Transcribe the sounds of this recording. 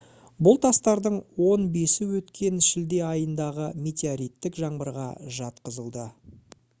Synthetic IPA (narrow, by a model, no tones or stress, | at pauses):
bʊlˠt̪ʰɑst̪ɑɾd̪əɴwo̞nbe̞sɪwɵt̪kʲe̞nʃɪld̪e̞ɑjənd̪ɑʁəmʲe̞t̪ʲeaɾijt̪ːɪkʒɑɴbəɾʁɑ̰ʒɑt̪qəzəlˠd̪ə